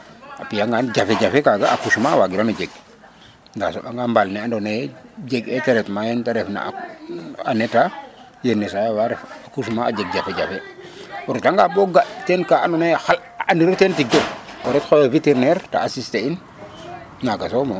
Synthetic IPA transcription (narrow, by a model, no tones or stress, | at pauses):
apijaŋɡand͡ʒafeɟafekaɡaakusumawaɡiɾanud͡ʒeɡ̚ | nda̰soʔaŋɡambalnɛandoned͡ʒeɡeteɾɛtmajentaɾɛfna̰ | aneta | jenːesajawaɾefakus̬maad͡ʒeɡ̚ɟafeɟafewɔɾetaŋɡaboɡatenkaanonexal | andiɾotentidowɔɾɛtxojaviteɾneɾta̰ːsistein | naɡasomo